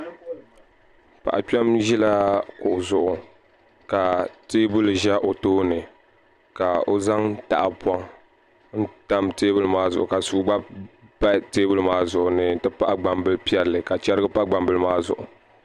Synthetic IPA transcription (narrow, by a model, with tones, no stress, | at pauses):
pa̰˨ʔa˨pɛ˦mʒɛ˦la˦kʊ˨ʔʊ˨zʊ˨ʔʊ˨ | ka˨teː˦bʊ˦lʒɛ˦ʔo˨toː˦nɨ˨ | ka˨o˦za˦ŋta̰˦˨ʔa˨pwɔ˦ŋ | n̩˦ta˦mteː˦bʊ˦lɨ˦maː˦zʊ̰˨ʔʊ˨ka˨suː˦ɡ͡ba˦bba˦teː˦bʊ˦lɨ˦maː˦zʊ˨ʔʊ˨nɨ˦tɨ˦pa˦ʔɡ͡ba˨mbɨ˦lpi˦ɛ˦lːɨ˨ka˨t͡ʃɛ˦ɾɨ˦ɡɨ˦pa˦ʔɡ͡ba˨mbɨ˦lmaː˦zʊ̰˨ʔʊ̰˨